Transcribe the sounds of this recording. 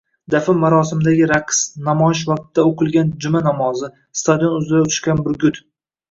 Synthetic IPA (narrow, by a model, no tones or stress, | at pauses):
d̪afɪmːaɾɒsɪmɪd̪aɡʲɪɾaqʰsnamɒɪʃ̬vaq̚t̪ɪd̪aoqɨlˠɡʲand͡ʒʊmanɒmɒzɪ | st̪ʰad̪ijonʊzɪɾaʊt̪ʰʊ̥ʃkʲanbɪɾɡʲʊt̪